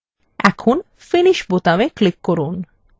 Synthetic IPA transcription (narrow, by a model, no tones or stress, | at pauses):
ɛ̰kʰun | finiʃbot̪ameklikːoɾun